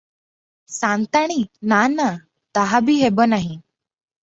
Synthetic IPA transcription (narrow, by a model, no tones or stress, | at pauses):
sãnt̪aɽ̃inana | t̪aɦabʱiːɦebənaɦĩ